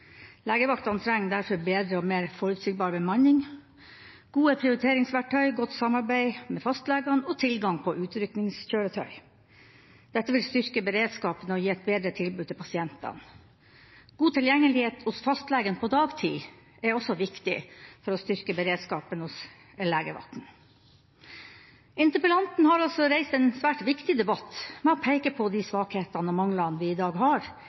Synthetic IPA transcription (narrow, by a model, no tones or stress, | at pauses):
læːɡəʋɑkt̪ɑnt̪ʰɾɛŋːd̪æɾfɔɾbeːd̪ɾəɔmeːɾfɔɾʉt̪siːɡ̚bɑːɾbəmɑnːɪŋ | ɡ̥uːəpʰɾɪʊɾɪt̪ʰeːɾɪŋsʋæʈʰœʏɡɔt̪ːsɑmɑɾbæɪmɛfɑst̪lɛːɡɑnɔt̪ʰɪlɡɑŋpʰɔʔʉːt̪ɾʏknɪŋsçøːɾət̪ʰœ̰ʏ | d̪̥ɛt̪ːəʋɪlst̪ʏɾkəbəɾeːd̪skɑːpənəɔjiːɛt̪̚beːd̪ɾət̪ʰɪlbʉːd̪t̪ʰːɪlpʰɑsɪɛnt̪ɑ̰n | ɡ̥uːt̪ʰɪljɛŋːəlɪheːt̪hʊsfɑst̪lɛːɡənpʰɔd̪ɑːɡt̪ʰḭː | ɛɾɔsɔʋɪkt̪ɪ̰fɔɾɔst̪ʏɾkəbəɾeːd̪skɑːpənhʊs | əlæːɡəʋɑ̰t̪n̩ | ɪnt̪əpəlɑnt̪n̩hɑɾɑlsɔɾæɪst̪ɛnsʋæːʈʋɪkt̪ɪd̪ɛbɑt̪mɛɔpʰæɪkəpʰɔd̪isʋɑːkheːt̪ɑnəmɑŋlɑnʋɪɪd̪ɑːɡɦɑɾ